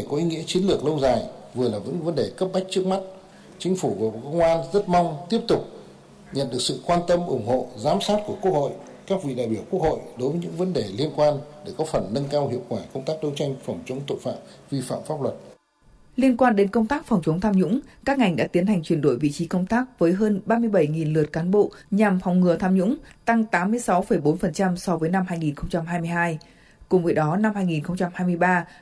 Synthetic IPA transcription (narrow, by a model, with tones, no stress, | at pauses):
kɔ˨˦ʔi˨˦ŋḭ˧˥ət͡ɕi˨˦ənlɨ˨˩ək̚lə˧wzaː˨˩jvɨ˨˩əlaː˨˩və̰˧˥ŋvə˨˦nɗe˨˩kə˦˥p̚ɓa˦˥jk̚t͡ɕɨ˦˥ək̚m˦˥t̚ | t͡ɕï˨˦ŋ̟fu˧˩vːkə˧wŋ͡mʔaː˧nzə˦˥t̚ma˧wŋ͡mt̪i˦˥əp̚t̪ʊ˨˩k͡p̚ | ɲə̰˧˨nɗɨ˨˩əksɨ̰˧˨kwaː˧nt̪ə˧mʔʊ˧˩ŋ͡mho̰˧˨zaː˨˦msaː˦˥t̚ku˧˩əku˦˥ək̚ho̰˧˨j | kaː˦˥k̚vḭ˧˨ɗa̰ː˧˨jɓi˧˩əwku˦˥əkho̰˧˨jɗo˨˦jvə˨˦ɲɨ̰˧˥ŋvə˨˦nɗe˨˩li˧ənkwaː˧nɗe˧˩kɔ˨˦fə˨˩nːə˧nkaː˧wɦḭ˧˨əwkwaː˧˩kə˧wŋ͡mt̪aː˦˥k̚ɗə˧wt͡ɕa˧jŋ̟fa˨˩wŋ͡mt͡ɕə˨˦wŋ͡mt̪o̰˧˨fa̰ː˧˨mvi˧fa̰ː˧˨mfaː˦˥p̚lə˨˩t̚ | li˧ənkwaː˧nɗe˨˦nkə˧wŋ͡mt̪aː˦˥k̚fa˨˩wŋ͡mt͡ɕə˨˦wŋ͡mt̪ʰaː˧mɲʊ̰˧˥ŋ͡mkaː˦˥k̚ŋa˨˩jŋ̟ɗa̰ː˧˥t̪i˨˦ənha˨˩jŋ̟t͡ɕwi˨˩ənɗo̰˧˨jvḭ˧˨t͡ɕi˨˦kə˧wŋ͡mt̪aː˦˥k̚vəː˨˦jɦəː˧nɓaː˧mɨ˧əjɓə˧˩jŋi˨˩nlɨ˨˩ət̚kaː˨˦nɓo̰˧˨ɲa˨˩mfa˨˩wŋ͡mŋɨ˨˩ət̪ʰaː˧mɲʊ̰˧˥ŋ͡mt̪a˧ŋt̪aː˨˦mːɨ˧əjsa˨˦wfə˨˧˩jɓo˨˦nfə˨˩nt͡ɕa˧msɔ˧vəː˨˦jna˧mhaː˧jŋi˨˩nxə˧wŋ͡mt͡ɕa˧mɦaː˧jmɨ˧əjhaː˧j | kʊ˨˩ŋ͡mvəː˨˦jɗɔ˨˦na˧mhaː˧jŋi˨˩nxə˧wŋ͡mt͡ɕa˧mhaː˧jmɨ˧əjɓaː˧